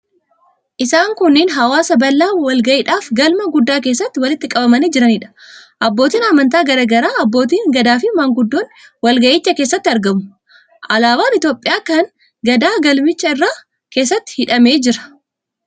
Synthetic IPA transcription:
ʔɪsaːŋkʊnːɪːnɦɐwaːsɐbɐlːaːwɐlɡɐʔɪᶑaːfɡɐlmɐɡʊd̪ːaːk̬e̞ːsːɐt̪ːɪwɐlɪt̪ːɪkʼɐbɐmɐniːd͡ʒɪɾɐnɪːᶑɐ̥ʔɐbːo̞ːt̪iːnɐmɐnt̪̬aːɡɐɾɐɡɐɾaːɐbːo̞ːt̪̬iːŋɡɐd̪aːfɪmaːŋɡʊd̪ːo̞ːnwɐlɡɐʔɪt͡ʃːɐke̞ːsːɐt̪ːɪɐɾɡɐmʊ̥ | ʔɐlaːbaːnɪt̪jo̞ːpʼɪjaːkɐŋ | ɡɐd̪aːɡɐlmɪt͡ʃːɐɪrːaː | ke̞ːs̬ːɐt̪ːɪ̥hɪᶑɐme̞ːd͡ʒɪɾɐ̥

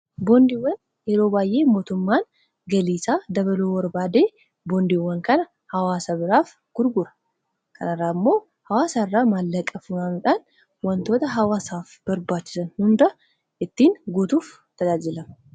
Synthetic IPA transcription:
bond̪iwːɐn | jɛɾo̞ːbaːjʔe̞ːmo̞ːt̪ʊmːaːn | ɡɐliːsaːd̪ɐβɐloːwɐɾbaːd̪e̞ː | bond̪iwːɐŋkɐnɐ | hɐwaːsɐbɪɾaːf | ɡ̥ʊɾɡʊɾɐ̥ | kʰɐ̰nɐrːaːɪmːo̞ː | hɐwaːsaːɪrːaːmaːlːɐkʼːɐfʊnaːnʊᶑaːn | wɐnt̪o̞ːt̪ɐɦɐwaːsaːfb̥ɐɾbaːt͡ʃːɪ̥sɐnhʊnd̪ɐ | ʔɪt̪ːiːŋɡʊt̪uːf | t̪ɐd͡ʒaːd͡ʒɪlɐmɐ

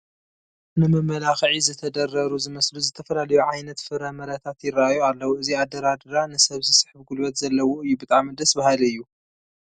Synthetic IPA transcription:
nɨmɨmːɐlaxʕizɨt̪ʰɐd̪ɐɾːɐɾuzɨmɐsluzɨt̪ʰɐfɐlalɐjuʕajnɐt̪fɨɾɐmɐɾɐt̪ʰat̪jɪraʔajualːɐwuɨziad̪ɐɾad̪ɨɾanɨsɐβsisɨħbɡulbɐt̪zɐlːɐwoɨjːubɨt̪ʼaʕmid̪ɐsbahalɨjːu

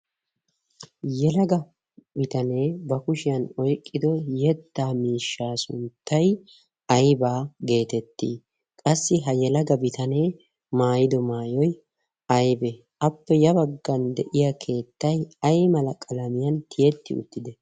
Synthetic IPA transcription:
jɛlɐɡɐ | bɪt̪ɐne̞ːbɐkʊʃɪjɐnɔjkʼːɪd̪ɔjɛt̪ːaːmiːʃːaːsʊ̰nt̪ːɐj | ɐjbaːɡe̞ːt̪ɛt̪ːḭː | kʼɐsːɪɦɐjɛlɐɡɐbɪt̪ɐne̞ː | maːjɪd̪ɔmaːjɔj | ʔɐjbɛ | ʔɐpːɛjɐbɐɡːɐnd̪ɛʔɪjakʰe̞ːt̪ːɐjɐjmɐlɐkʼɐlɐmɪjɐnt̪ʰɪjɛt̪ːɪ̰ʊ̰t̪ːɪd̪ɛ

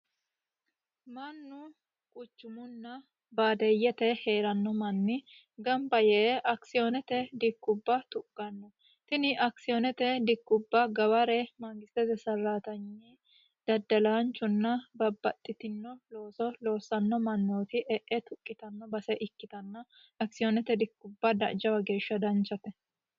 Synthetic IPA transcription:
mɐnːʊ | kʼʊt͡ʃːʊmʊnːɐ | baːd̪ɛjːɛt̪ɛheːɾɐnːɔmɐnːɪ | ɡɐmbɐjɛʔɐksɪjɔnɛt̪ɛd̪ɪkːʊbːɐt̪ʊkʼːɐnːɔ | t̪ɪnɪʔɐksɪjɔnɛt̪ɛd̪ɪkːʊbːɐɡɐwɐɾɛmaːɡɪst̪ɛzɛsɐrːaːt̪ɐɲːi | d̪̥ɐd̪ːɐlaːnt͡ʃːʊnːɐbɐbɐt̪ʼːɪt̪ɪnːɔlo̞ːsɔlo̞ːsɐnːɔmɐnːoːt̪ɪʔɛʔɛt̪ʊkʼːɪt̪ɐnːɔbɐsɛʔɪkːɪt̪ɐnːɐ | ɐksɪjɔnɛt̪ɛd̪ɪkːʊbːɐd̪ɐ̰ʔd͡ʒɐwɐɡe̞ːʃːɐd̪ɐnt͡ʃːɐt̪ɛ

